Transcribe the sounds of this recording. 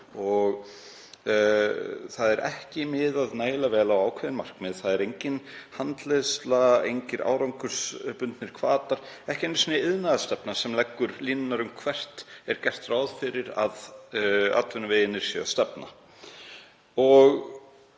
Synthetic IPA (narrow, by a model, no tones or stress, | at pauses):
ɔɣ | θaðɛɾʔɛ̰hcɪmɪðaðnaːjlavɛːlawaːwkʰvɛːðɪnmar̥kmɪðθaðɛɾejɲcɪnhant̪lest̪laḛjɲcɪɾa̰ːwɾawŋkʏɾ̥spʏnt̪nɪɾ̥kʰvaːt̪aɾ̥ | ɛhcɪenːsɔnɪɪðnaðast̪ɛpnasɛmlɛkːʏɾliːnʏnaɾʏmkʰvɛr̥t̪ɛɾ̥cɛr̥t̪raːwðfɪɾɪɾa̰ð | a̰t̪vʏnʏveːjɪnːɪɾ̥sjɛ̰ɣast̪ɛpna̰ | ɔɣ